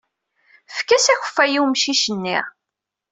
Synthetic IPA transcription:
fkːæsæçə̥fːæjiwmʃiʃənːḭʁ

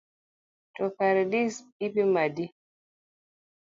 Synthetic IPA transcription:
tɔkaɾɛdisipimadi

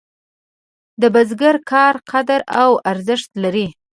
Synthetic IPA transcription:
d̪əbazɡaɾkʰɑɾqʰad̪aɾawaɾzəʂt̪laɾi

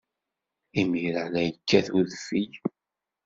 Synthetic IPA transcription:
imiɾəʕlæjəkːæθuðfij

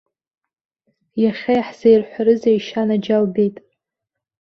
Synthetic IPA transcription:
jaχʲajħz̥ajrħʷaɾɨzejʃanad͡ʒalbejtʼ

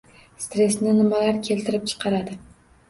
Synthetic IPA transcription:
st̪ɾe̞snɪnɪmalaɾkʲʰe̞lt̪ʰɪɾɪp̚t͡ʃʰɨ̥qʰɑɾad̪ɪ

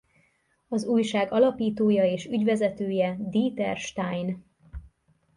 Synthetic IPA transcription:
ɒzuːjʃaːɡɒlɒpiːt̪oːjɒeːʃyɟvɛzɛt̪øːjɛd̪iːt̪ɛrʃt̪ajn

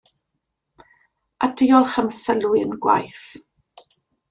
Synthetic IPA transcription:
adɪjɔlˠχəmsəlwɨənɡwa̰jθ

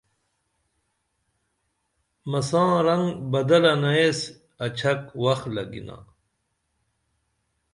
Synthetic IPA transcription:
mɐsãːɾɐŋɡbɐd̪ɐlɐnaes | ɐt͡ɕʰɐkwɐxlɐɡḭna̰

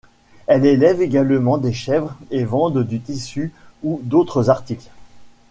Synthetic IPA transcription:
ɛlelɛveɡalmɑ̃d̪eʃɛvʁevɑ̃d̪d̪yt̪isyud̪ot̪χəzaʁt̪ikl

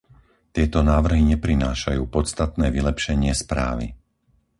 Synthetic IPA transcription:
t̪ɪɛt̪ɔnaːʋr̩ɦiɲɛpɾinaːʃajuːpɔt͡st̪at̪nɛːʋilɛpʃɛɲɪɛspɾa̰ːʋḭ

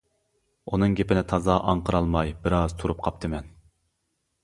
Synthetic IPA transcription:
unɨŋɡʲepɪnɪt̪ʰɑzɑʔɑɴqʰəɾɑlˠmɑjbɪɾɑz̥t̪ʰuɾup̚qʰɑp̚t̪ʰɨmɛn

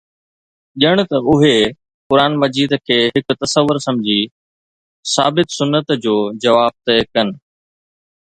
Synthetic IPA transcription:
ʄɪəɽ̃t̪ɐʊɦe | kʊɾaːnmɐd͡ʑiːd̪kʰeːɦɪkt̪ɐsəʋːʊɾsɐ̃md͡ʑʱi | saːbɪt̪sʊnːət̪d͡ʑoːd͡ʑɐʋaːb̚t̪ekɐnɪ̆

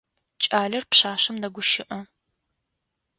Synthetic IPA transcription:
t͡ʃʼaːɮɐrpɕaːɕɐmnɐɡʷʊʃɪʔɐ

